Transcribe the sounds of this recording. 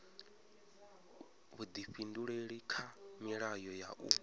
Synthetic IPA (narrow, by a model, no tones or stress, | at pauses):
βud̪iɸinduɺeɺikʰamiɺajɔja̰ʔu